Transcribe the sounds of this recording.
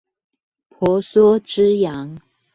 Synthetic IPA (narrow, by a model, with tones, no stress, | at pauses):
pʰɔ˨˥˦sɔ˥ʈ͡ʂɻ̩˥jɑ˨˦ŋ